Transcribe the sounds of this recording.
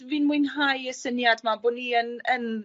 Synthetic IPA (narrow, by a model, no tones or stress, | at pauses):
vinmʊjnɦajəsənjadmabʊːniənən